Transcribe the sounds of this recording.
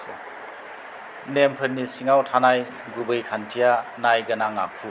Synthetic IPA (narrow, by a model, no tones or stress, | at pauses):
nempʰɯɾnisiŋawtʰanaj | ɡubɯjkʰantʰijanajɡɐnaŋa̰kʰu